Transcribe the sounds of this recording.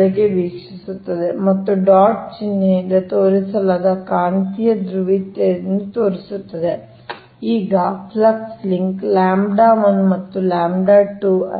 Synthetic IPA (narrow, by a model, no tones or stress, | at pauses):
lɐɡeʋiːkʂisut̪ːɐd̪e̞mɐt̪ːuɖaːʈ̚t͡ʃinːeid̪ɐt̪oːɾisɐlaːd̪ɐkaːnt̪ijɐd̪ɾuʋit̪enut̪oːɾisut̪ːɐd̪e | iːɡɐpʰlɐksliŋklaːmbɖaːmɐnmɐt̪ːulaːmɖaːʈu